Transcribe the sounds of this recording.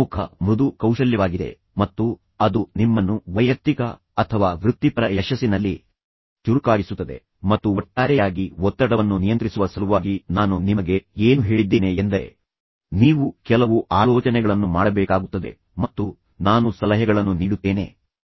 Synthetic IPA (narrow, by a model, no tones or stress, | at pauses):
ukʰɐ̰mɾud̪ukɐwʂɐljɐʋaːɡid̪e̞̰ | mɐt̪ːu | ɐd̪unimːɐnːuʋɐjɐk̚t̪ikɐ̰ | ɐt̪ʰɐʋaːʋɾut̪ːipɾɐjɛʃɐsːinɐlːi | t͡ʃuɾukaːɡisut̪ːɐd̪e̞̰ | mɐt̪ːuɔʈːaːɾɛjaːɡiɔt̪ːɐɽɐʋɐnːunijɐnt̪ɾisuʋɐsɐɾuʋaːɡinaːnunimɐɡe̞eːnuɦeːɭid̪ːeːneːnd̪ɐɾe | niːʋukɛlɐʋuʔaːlɔːt͡ʃɐnɛɡɐɭɐnːumaːɽɐbɛːkaːɡut̪ːɐd̪e̞̰ | mɐt̪ːu | naːnusɐlɐɦɐɡɐɭɐnːuniːɽut̪ːeːne̞̰ː